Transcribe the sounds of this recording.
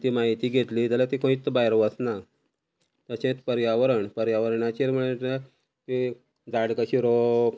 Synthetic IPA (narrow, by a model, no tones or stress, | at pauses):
t̪iːmaɦit̪iːɡʱet̪liːt̪alat̪ikõit̪ːbajɾʋəsna | t̪əɕẽt̪pəɾjaʋəɾəɳpəɾjaʋəɾɳat͡ɕiɾm̤əɭa | k̪i | d͡zaɽkəɕiɾo